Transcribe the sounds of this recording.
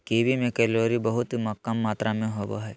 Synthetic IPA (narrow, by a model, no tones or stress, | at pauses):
kibʱimẽkɛːloːɾibɐɦʊt̪mɐkːɐmːaːt̪ɾamẽɦoːbo̰ɦɛː